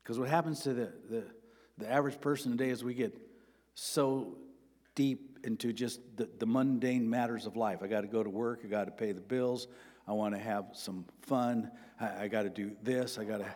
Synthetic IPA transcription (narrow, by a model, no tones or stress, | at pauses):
kʰʌzwʌt̚ɦæpnz̥tʰɨðɨðɨ | ðiævə˞ɨd̥ʒ̥pʰɜ˞sn̩tʰɨdeɪɨzwiɡɛt̚ | soʊ | d̥ip̚ɪ̃ntʉd͡ʒʌsðɨðəmʌ̃ndẽɪ̃nmæɾə˞zʌvlaɪfaɪɡɑɾɨɡoʊɾəwɜ˞kaɪɡɑɾɨpʰeɪðɨbɪlˠzaɪwɑ̃nɨɨv̥sʌ̃ɱ | fʌ̃naɪaɪɡɑɾɨdɨðɪsaɪɡɑɾɨ